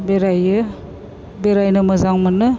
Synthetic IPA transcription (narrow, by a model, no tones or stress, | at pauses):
beɾajɯ | beɾajnɯmɯzaŋmɯnɯ